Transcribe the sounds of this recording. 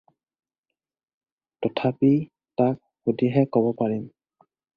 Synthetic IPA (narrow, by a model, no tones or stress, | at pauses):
tɔtʰapi | tak̚xudiɦɛkɔbɔpaɹim